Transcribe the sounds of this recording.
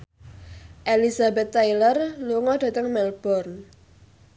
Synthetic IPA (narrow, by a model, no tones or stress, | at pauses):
ʔelizabɛt̪ːajlərluŋɔd̥ä̤t̪əŋmɛlb̥ɔrn